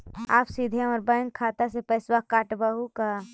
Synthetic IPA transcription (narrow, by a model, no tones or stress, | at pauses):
aːpsid̪ʱjãɔɾbə̃ŋɡkʰːaːt̪asepəːswakaːʈbəɦukaː